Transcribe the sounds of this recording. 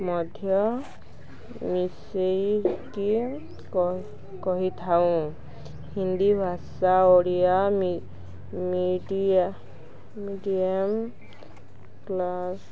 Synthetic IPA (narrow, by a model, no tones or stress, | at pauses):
mɔd̪ʱjɔ | miseɾiki | kɔɦit̪ʰaʊ̃ | hind̪ibʱasaoɽijam | miɖi | miɖiam | klas